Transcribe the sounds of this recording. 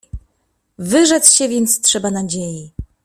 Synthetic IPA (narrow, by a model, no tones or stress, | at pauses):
vɘʐɛt̪sɕɛvʲjɛnt̪stʂɛbanad͡ʑeji